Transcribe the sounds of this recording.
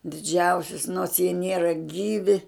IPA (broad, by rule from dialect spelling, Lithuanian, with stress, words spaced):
dʲɪˈd͡ʒʲɛʊsʲʊs noːrs jiɛ ˈnʲiɛrɐ ˈɡʲiːʋʲɪ